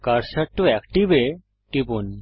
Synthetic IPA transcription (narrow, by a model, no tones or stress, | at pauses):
kɐɾsɐʈːuɛkʈibe | ʈipun